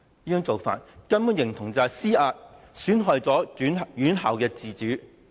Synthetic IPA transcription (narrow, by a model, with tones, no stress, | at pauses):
jiː˥jŋt͡so˨wfa̰ː˨t̚kɐ˥npuː˨˥njɪ˨˩ŋt̪ʰʊ˨˩ŋt͡saː˨siː˥ʔaː˧t̚ | syː˨˥nɦɔː˨jt͡sɔː˨˥yː˨˥njyː˨˥nɦa̰ː˨˩wkɛː˧t͡siː˨t͡ʃyː˨˥